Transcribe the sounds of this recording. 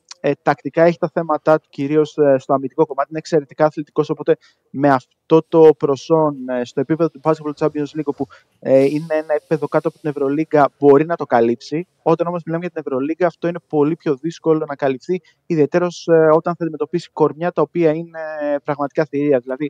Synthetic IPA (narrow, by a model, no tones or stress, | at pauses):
t̪ɐkt̪ikɐeçi̥t̪ɐθe̞mɐt̪ɐt̪u̥ciɾio̞sst̪o̞ɐmit̪iko̞ko̞mɐt̪iinekse̞ɾe̞t̪i̥kɐːθlit̪iko̞so̞po̞t̪e̞ | me̞ɐft̪o̞t̪o̞pɾo̞so̞nst̪o̞e̞pipe̞ðo̞t̪ubɐskeplot̪t͡sɐbiozliɡopu | ine̞enɐepipe̞ðo̞kɐt̪oɐpot̪ine̞vɾo̞liɡɐbo̞ɾinɐt̪o̞kɐlipsi | o̞t̪ɐno̞mo̞zmilɐmeʝɐt̪ine̞vɾo̞liɡɐːft̪o̞ine̞po̞lipço̞ðisko̞lo̞nɐkɐlifθiː | ðie̞t̪e̞ɾo̞so̞t̪ɐnθɐːd̪imet̪o̞pisi̥ko̞ɾmɲɐt̪ɐopiɐine̞pɾɐɣmɐt̪i̥kɐθiɾiɐðilɐði